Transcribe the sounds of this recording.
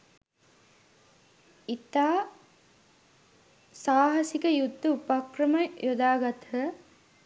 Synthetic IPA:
it̪aː | saːɦɐsikəjud̪ːɐupakrɐmɐjod̪aːɡɐt̪ɦə

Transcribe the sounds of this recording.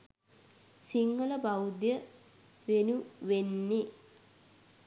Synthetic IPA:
siŋɡələbawd̪jə | ʋenuʋenːe

